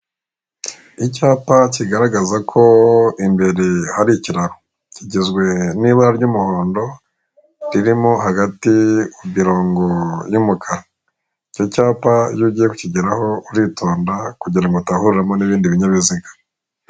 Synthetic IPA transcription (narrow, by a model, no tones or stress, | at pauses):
icaːpaciɡaɾaɡazakʰo̞imbe̞ɾe̞haɾiciɾaɾo | ciɟizɡwe̞niβaaɾɟumuho̞ːndo̞ | ɾiɾimo̞haɡatiubiɾoːŋɡo̞jumukʰa | ico̞caːpajuɟiːjeku̥ciɟiɾaho̞uɾitʰo̞ːndakuɟiɾaŋɡotahuɾuɾamo̞niβiːndiβiɲaβiziɡḁ